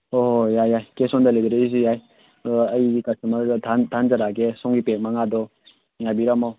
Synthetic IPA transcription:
oɦjajajkesɔndalebiɾaizijaj | ɐjikasumɐɾdʱandʱanzaɾaɡesɔŋɡipek̚maŋadɔ | ŋabiɾamaw

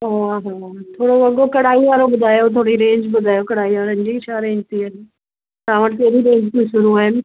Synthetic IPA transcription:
oaɦat̪ʰoːɽoʋɐɠokɐɽaːiʋaːɾobʊd̪ʱaːjot̪ʰoːɽiɾẽːɲd͡ʒbʊd̪ʱaːjokɐɽ̤aːiʋaːɾə̃nd͡ʑit͡ɕʰaːɾẽːɲd͡ʒt̪iaɦe | t̪ãːʋəʈt̪eːɾiɾẽːɲd͡ʒt̪iʃʊɾuaːɦɪn

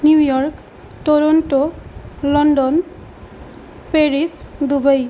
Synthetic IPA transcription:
njujɔrk | ʈoɾɔnʈolɔnɖɔn | peɾisd̪ubʌj

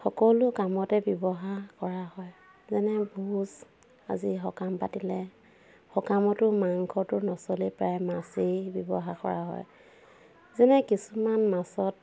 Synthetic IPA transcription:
xɔkɔlʊkamɔtɛbjɔbɔɦakɔɹahɔj | zɛnɛbuz | a̰ziɦɔkampa̰tilɛ | xɔkamɔtʊmaŋkʰɔtʊɹnɔsɔlipɹajmasibjɔbɔ̰ɦakɔ̰ɹaɦɔ̰j | zɛnɛkisumanmasɔt̚

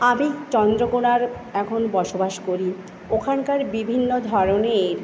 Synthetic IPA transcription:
amit͡ɕɔnd̪ɾokonaɾ | ɛkʰonbɔʃobaʃkoɾi | okʰankaɾbibʱinːod̪ʱɔɾoneɾ

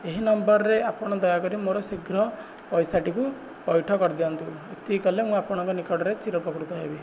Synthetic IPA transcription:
eɦinɔmbɔɾɔɾeapɔɽ̃ɔd̪ɔjakɔɾimoɾɔsiɡʱɾɔ | pɔjsaʈiku | pɔjʈʰɔkɔɾd̪iɔnt̪u | et̪ikɔlemũapɔɽ̃ɔ̃ŋkɔnikɔɽɔɾet͡ʃiɾɔpɔkɾut̪ɔɦebi

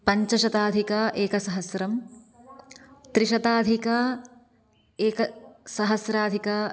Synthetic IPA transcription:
pɐɲt͡ʃɐʃɐt̪aːd̪ʱikɐʔeːkɐsɐɦɐsɾɐm | t̪ɾiʃɐt̪aːd̪ʱikɐ | eːkɐsɐɦɐsɾaːd̪ʱikɐ

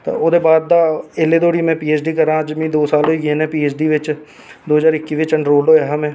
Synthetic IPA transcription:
t̪a̰ːoːd̪eːbaːd̪̚ːaːeleːd̪oːɽiːmɛ̃ːpiːeːt͡ʃɖiːkəɾãːd͡ʒmĩːd̪oːsaːloiːɡẽːnɛ̃ːpiːeːt͡ʃɖiːʋɪt͡ʃ | d̪oːɦəzaːɾɪkːiːʋɪt͡ʃəɳɖɾoːlɖoːɛːɦaːmɛ̃ː

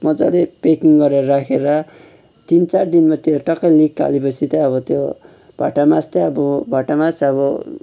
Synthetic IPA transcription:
mʌd͡za̰lepekiŋɡʌɾeɾʌɾakʰeɾʌ | t̪int͡sard̪inmat̪joʈʌkːʌlikka̰lepʌt͡sʰit̪ʌʌbʌt̪jo | b̥ʱaʈamast̪ʌʌbʌbʱaʈamat͡sʌbʌ

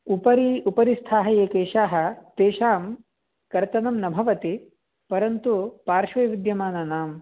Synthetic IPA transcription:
upɐɾiupɐɾist̪ʰaːɦɐjeːkeːʃaːɦɐ̆t̪eːʃaːm | kɐɾt̪ɐnɐmnɐbʱɐʋɐt̪i | pɐɾɐnt̪upaːɾʃʋɐjʋid̪jɐmaːnɐnaːm

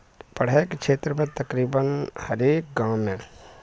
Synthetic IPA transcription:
pɐɽ̤aekekʃʰeːt̪ɾəmẽt̪ɐkɾiːbənhəɾeːk̚ɡãːmẽ

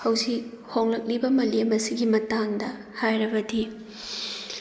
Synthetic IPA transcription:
hɐwzik̚ | hoŋlɐk̚libɐmɐliɐmɐsiɡimɐtaŋdɐ | hajɾɐbɐdi

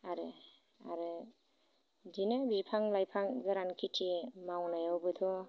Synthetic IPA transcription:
aɾɯ | a̰ɾɯ | dinabipʰaŋlajpʰaŋɡaɾankʰitʰimawlajawbɯt̪ʰɔ

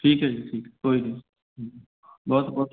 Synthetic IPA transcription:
ʈʰiːkɦɛʈʰiːkkoːid̪e | ɦ | bɔːt̪bɔːt̪

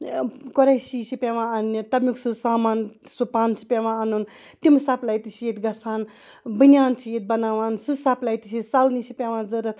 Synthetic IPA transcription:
kɔɾɐjsiːsipʲeʋãːɐnːit̪ɐbmiksusaːmaːnsupaːnt͡ʃʰi̥pʲeʋãːɐnun | t̪imsaplajt̪isʰijet̪ɡɐsʰaːn | bɨnʲaːnt͡ʃʰijet̪̚bɐnaːʋaːnsusaplajt̪it͡ʃʰisalnisʰipʲeʋãːzɨɾɐt̪ʰ

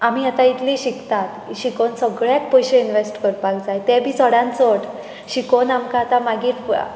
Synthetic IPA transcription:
amiːat̪ãit̪liɕikt̪at̪ɕikonsəɡɭjat̪pəjɕeinʋesʈkəɾbaɡd͡zajt̪ɛbʱiːt͡səɽãnt͡soʈ | ɕikonamkat̪amaɡiːɾ

